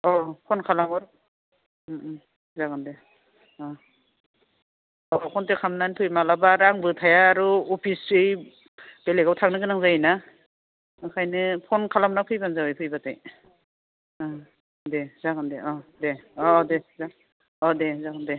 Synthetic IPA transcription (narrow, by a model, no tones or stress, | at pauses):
ɔpʰɔnkʰalamɔɾ | zaɡɯnde | ɔ | ɔpʰɔntekʰamnanpʰɯjmalabaɾaŋbɯtʰajaːɾuɔpʰisɯj | b̥eleɡawtʰaŋnɯɡɯnaŋzana | ɯkʰajnɯpʰɔnkʰalamnapʰɯjbanzawɯjpʰɯjbata̰j | dezaɡɯndeʔɔdeɔdeza | ɔdezaɡɯnde